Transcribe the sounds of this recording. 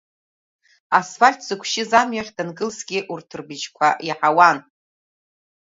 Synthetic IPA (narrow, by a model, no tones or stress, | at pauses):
asfalʲtʰz̥ɨkʷʰʃɪzamɥaχʲdanɡɨlsɡʲɪʔurtʰɨrbid͡ʒkʷʰa̰iħawan